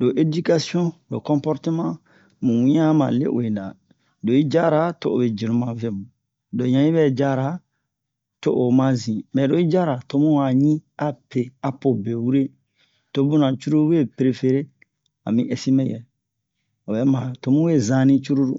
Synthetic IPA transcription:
do˨ʔe˨di˦ka˦si˦ɔ̃˦do˨kɔ̃˦pɔ˦ɾte˦mã˦ | mũ˨˦ɲ˦ã˦mã̰˨lḛ˦ʔo˨e˨da̰˨ | do˨i˦d͡ʒa˦ɾa˨to˨ʔo̰˨be˨d͡ʒi˨ɾũ˦mã˨ve˦mũ˨ | do˨ɲã˨˦i˦bɛ˦d͡ʒa˦ɾa˨˦ | to˦˨ʔo˨mã˦zĩ˨mɛ˨ɾo˨i˦d͡ʒa˦ɾa˨to˨˦mũ˦a˨ɲĩ˦a˦pe˨a˨po˨be˨wu˦ɾe˦ | to˨bũ˦nã˨t͡ʃu˦ɾu˦we˦pɾe˨fe˦ɾe˦ | a̰˨mĩ˦ʔe˦se˦me˦jɛ̰˨ | o˨bɛ˨mã˨to˨mũ˦we˦zã˨nĩ˦t͡ʃu˦ɾu˦ɾṵ˦

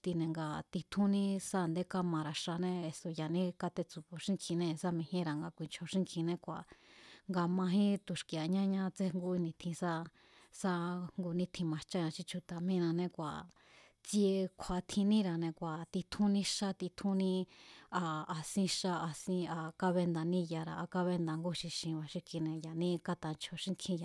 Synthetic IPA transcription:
t̪i˧nẽ˨ŋɡa˧t̪i˧t̪ʰũ˦nĩ˦sa˧˨nd̪e˦ka˧mã˨˧ɾa˨ʂa˧nẽ˧e˨so˨ja˨nĩ˦ka˧t̪e˧t͡su˧˨βo˨ʃĩ˦ŋkʰĩ˧nẽ˧sa˧mĩ˧hẽ˦ɾa˨ŋɡa˧kʷi˨nt͡ʃʰo˨ʃĩ˦ŋkʰĩ˧nẽ˧kʷa˨ŋɡa˧mã˧ɦĩ˦t̪u˨ʃki˨˧a˨ɲã˦ɲã˧t͡se˧ŋɡu˧i˧nĩ˧t̪ʰĩ˧sa˦ | sa˧ŋɡu˧nĩ˦t̪ʰĩ˧mã˨t͡ʃa˦ɲã˧ʃi˧t͡ʃʰu˧t̪a˨mĩ˦˧nã˧nẽ˧kʷa˨ | t͡si˧e˧kʷʰa˨t̪ʰĩ˧nĩ˦ɾa˨nẽ˧kʷa˨t̪i˧t̪ʰũ˦nĩ˦˧ʃa˦t̪i˧t̪ʰũ˦nĩ˦˧aː˧sĩ˧ʃa˧a˧sĩ˧a˧ka˧βe˧nd̪a˨nĩ˦ja˧˨ɾa˨a˧ka˧βe˧nd̪a˨ŋɡu˦ʃĩ˧ʃĩ˧βa˨ʃi˧ki˧nẽ˧ja˨nĩ˦ka˧t̪a˧˨nt͡ʃʰo˨ʃĩ˦ŋkʰĩ˧ja˨

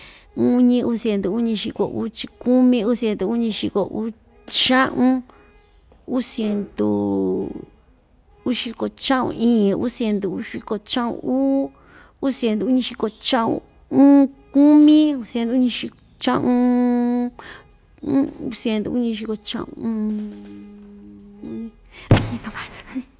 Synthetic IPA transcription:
u˦ɲĩ˧ʔu˧sje˧nd̪u˨u˦ɲĩ˧ʃi˧ko̰˨ʔu˧˦t͡ʃi˧ku˦mĩ˦u˦sje˧nd̪u˨u˦ɲĩ˧ʃi˧ko˨ʔu˦ | t͡ʃã˦ʔũ˦ | u˦sje˧nd̪ṵ˧˨ | u˦ʃi˧ko˨t͡ʃã˦ʔṵ̃˧˨ʔĩː˦˨˧ṵ˦sje˧nd̪u˨˦ʃi˧ko˧t͡ʃã˦ṵ̃˧uː˦ | u˦sje˧nd̪u˨u˦ɲĩ˧ʃi˧ko˧t͡ʃã˦ʔṵ̃˧ | ũ˦˧ku˦mĩ˦u˧se˧nd̪u˧u˦ɲĩ˧ʃi˧ | t͡ʃã˦ʔũ˧˦ | u˧˦se˧nd̪u˧u˦ɲĩ˧ʃ̬i˧ko˧t͡ʃã̰˧ʔṵ̃˧ũ˦ | u˦ĩ˧ | u˦se˧nt̪u˧βa˨˦

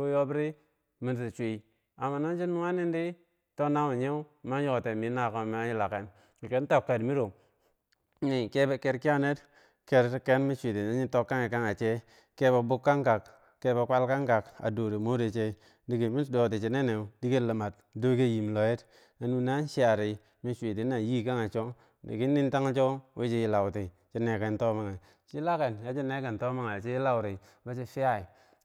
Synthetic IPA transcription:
o˦jo˦bi˦ɾi˦ | mi˨nsi˨t͡ʃʷi˨ | a˨ma˨no˦nt͡ʃi˦nu˦wa˦ni˦ndi˦ | to˦na˦wu˨ɲe˦u˦ma˦jo˦ko˨te˨mi˨˦na˨ko˨m˨a˦ji˦la˨ke˨n˨ | ke˨˦n˦to˦kːa˨dmi˦ɾo˨˦ | ni˨ke˦be˨ke˦ɾki˦a˦ne˦t | ke˦ɾke˦nmi˦t͡ʃʷi˨te˨na˨˦ɲi˦to˦kːa˦ŋe˨ka˦ŋa˨t͡ʃe˦ | ke˦ba˨bu˦kːa˦ŋka˨kː | e˦bo˨kʷa˦lka˦ŋka˨ka̰˨do˨ɾe˨mo˦de˨t͡ʃe˦ | di˦ke˨mi˦do˨ti˨t͡ʃe˨ne˦ne˨u˨di˦ke˦la˨ma˨t̚ | do˦ke˦ji˨m˨lo˨je˦t | na˨nu˨na˦n˦ʃi˦a˨ɾi˨ | mi˦ʃʷi˨ti˨˦na˨ji˦˨ka˦ŋa˨t͡ʃo˦ | dḭ˨ki˦nːi˦n˦ta˦ŋ˦t͡ʃo˦we˦t͡ʃi˦ji˦la˨wti˨ | t͡ʃi˦ne˨ke˨nto˦ma˦ŋa˨ | t͡ʃi˦la˦ke˨nja˦t͡ʃi˦ne˦ke˨n˨to˦ma˦ŋa˨t͡ʃe˦ji˦la˦wɾi˨˦ba˦t͡ʃi˦fi˦ja˦i˨

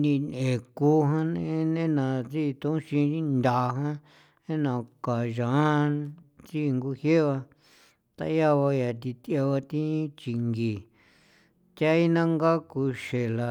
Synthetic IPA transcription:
nĩ˧nẽ˨ku˦ɦã˦nẽ˦nẽ˦nã˨˧t͡si˦˧t̪õ˧˦ʃĩ˧ĩ˦nd̪a˨˧ɦã˦ | nẽ˦nã˧˨ka˨ʒã˨˦ | t͡si˦˧ŋɡu˧hje˦βa˧ | t̪a̰˧˦ja˦βa˧ja˨t̪i˧t̪e˧βa˧t̪ĩ˦t͡ʃi˧ŋɡi˨ | t̪ʲa˦i˦nã˦ŋɡa˦ku˧ʃe˨la˧

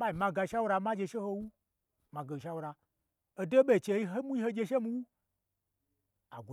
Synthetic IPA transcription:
ɓa˦i˨mã˧ɡa˧ʃa˦wu˦ɾa˧ma˦d͡ʒe˧ʃe˦ho˧wu˦ | ma˨ɡe˨ʃa˦wu˦ɾa˧ | o˧do˦ɓe˨t͡ʃe˧i˦ɦo˦mu˦i˦ho˦d͡ʒe˧ʃe˦mu˧˦wu˦ | a˨ɡo˨

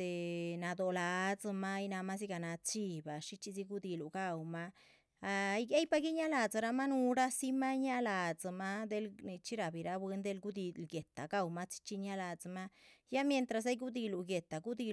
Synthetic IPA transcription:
e˨na˧d̪o˧la˧d͡za˧ma˦jna˧ma˦z̬i˦ɡa˧˨na˧t͡ʃi˧ba˨ʂi˦t͡ʃi˧zi˧ɡu˦d̪i˧lu˨ɡa˧wma˦ | a˧jɡe˦jpa˧ɡi˦ɲa˦la˨d͡za˨˧ɾa˧ma˦nu˧ɾa˦si˦ma˦ɲa˦la˨d͡za˨ma˦d̪e˧˦lni˧t͡ʃi˦ɾa˧˨bi˨ɾa˧bwe˧nd̪e˧lɡu˦d̪i˧lɡe˨t̪a̰˨ɡa˦wma˦t͡ʃi̥˦t͡ʃi˧ɲa˦la˧d͡zma˦ja˦mje˧nt̪ɾa˧s̬a˦jɡu˦d̪i˧lu˨ɡe˨t̪a˨ɡu˦d̪i˧

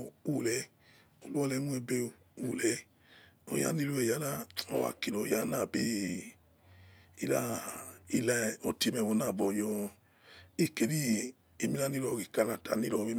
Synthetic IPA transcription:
u˨lɛ˨˦ | o˧lu˦ɔ˦lɛ˨˦nu˦e˧be˧˨ | u˨lɛ˨˦ | o˧˦ja̰˦ni˦lo˧ɛ˨ja˨˦na˦˨ɔ̰˧wa̰˧˨ki˨ɾɔ˨˦ja˦na˦˨bi˦ | i˧la˦i˧la˧ɔ˧ti˧mɛ˧˨wo˨˧na˦˨bɔ˧˨jɔ˧ | i˦˨ke˨˧ɾi˦ | i˧mi˧˦a˦ni˦ɾɔ˧˨ɡi˨ka˧la˨ta̰˨ni˦ɾɔ˧bi˦m˧

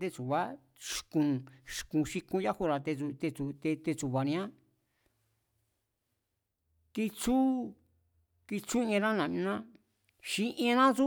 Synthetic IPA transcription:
t̪e˦˧t͡su˨βa˦ | ʃkũ˧ʃkũ˧ʃi˧kũ˧ja˦hu˧ɾa˨t̪e˧u˧t̪e˧t͡su˧t̪e˧t̪e˧t͡su˨βa˨nĩ˧ã˦ | ki˧t͡su˦ | ki˧t͡su˦ã˧ɾã˦nã˨mĩ˧nã˦ | ʃĩ˧˦ʔĩ˦˧nã˦t͡su˦

